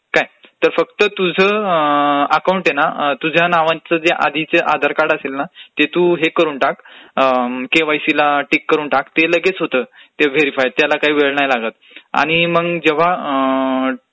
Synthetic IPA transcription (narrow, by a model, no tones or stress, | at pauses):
kajt̪əɾfək̚t̪ət̪ud͡zʱə | əkawuɳʈjenat̪ud͡ʑʱjanaʋãt͡səd͡zeʔad̪ʱit͡seʔad̪ʱəɾkaɽəselnat̪et̪uɦekəɾuːɳʈak | keʋajsilaʈikːəɾuːnʈakt̪eləɡet͡sɦot̪ət̪eʋeɾifajt̪ːjalakaɦiːʋeɭɳajlaɡət̪ | a̰ɽ̃iməɡd͡ʑeʋ̤a